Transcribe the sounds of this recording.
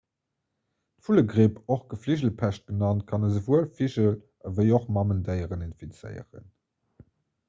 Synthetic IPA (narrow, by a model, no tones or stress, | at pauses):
tfuləɡʁeːpʰoχɡ̥əfliʑəl̩pʰæʃt̚ɡ̥ənɑnt̚kʰɑnəzəvuəlfiʑəl | əvəɪoχmɑməndəɪəʁəninfit͡sə̰ɪə̰ʁə̰n